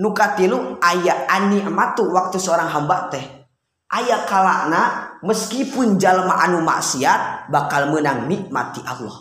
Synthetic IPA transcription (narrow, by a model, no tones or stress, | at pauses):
nukat̪iluŋajaʔaniʔamat̪uwak̚t̪usəoɾaŋɦambaʔt̪ɛh | ʔajakalaʔnaməskipund͡ʒalma̰ʔanuma̰ʔsiat̪̚bakalmənaŋniʔma̰t̪iʔalɔ̰h